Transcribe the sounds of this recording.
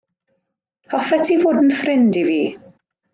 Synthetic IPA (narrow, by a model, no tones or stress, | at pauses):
hɔfɛtʰivoːdn̩frɪndiviː